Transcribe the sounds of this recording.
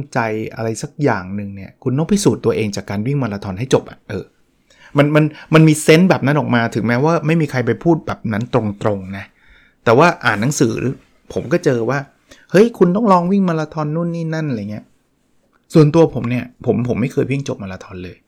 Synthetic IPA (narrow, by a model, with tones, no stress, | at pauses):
t͡ɕa˧jʔa̰˧ɾa˧jsa˨˩k̚jaː˨˩ŋnɯ˨˧ŋni˥˩ɐkʰu˧nt̪ɔ˥˩ŋpʰi˦˥˩suː˨˩t̪ːu˧ɐʔeː˧ŋt͡ɕaː˨˩kːaː˧nwi˥˩ŋmaː˧laː˧t̪ʰɔː˧nɦa˥˩jt͡ɕo˨˩p̚ʔa̰˨˩ʔɤː˧ | ma˧nma˧nma˧nmiː˧se˦˥nbɛː˨˩p̚na˦˥nʔɔː˨˩k̚maː˧t̪ʰɯ˩˦ŋmɛː˦˥waː˥˩ma˥˩jmiː˧kʰa˧jpa˧jpʰuː˥˩t̪̚bɛː˨˩p̚na˦˥nt̪ɾo˧ŋt̪ɾo˧ŋna˦˥ | t̪ɛː˨˩waː˥˩ʔaː˨˩nːa˦ŋsɯː˩˦ɾɯ̰˦ | pʰo˩˦mkɔː˥˩t͡ɕɤː˧waː˥˩ | hɤ˦˥jkʰu˧nt̪ɔ˥˩ŋlɔː˧ŋwi˥˩ŋmaː˧laː˧t̪ʰɔː˧nːu˥˩˨nːiː˥˩na˥˩nʔŋi˦˥ɐ | su˨˩ənt̪u˧ɐpʰo˩˦mni˥˩ɐpʰo˩˦mpʰo˩˦mːa˥˩jkʰɤː˧jwi˥˩ŋt͡ɕo˨˩p̚maː˧laː˧t̪ʰɔː˧nlɤː˧j